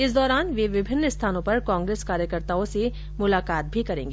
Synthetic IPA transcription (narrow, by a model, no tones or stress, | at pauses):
ɪsd̪ɔːɾaːnʋeʋɪbʱɪnːɪst̪ʰaːnõpɐɾkãːŋɡɾeːskaːɾjəkəɾt̪aːõse | mʊlaːkaːt̪̚bʱikɐɾẽːŋɡeː